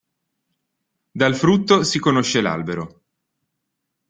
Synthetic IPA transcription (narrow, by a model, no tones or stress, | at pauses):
d̪alfɾut̪ːosikonoʃːela̰lbeɾo